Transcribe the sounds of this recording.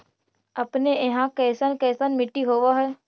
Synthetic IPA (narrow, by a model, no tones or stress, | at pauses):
əpneɪɦãkɛːsənkɛːsənmɪʈːiɦoːʋaɦɛː